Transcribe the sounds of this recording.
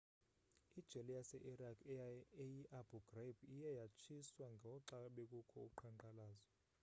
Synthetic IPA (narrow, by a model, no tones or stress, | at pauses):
id̥ʒ̥ʱɛlɛjasɛʔirakʰejiʔab̥uɡ̥rebijɛjat͡ʃʰiswaŋɡʱɔɔǁaɓɛkʼukʰɔuǃʰaŋǃalaːzɔ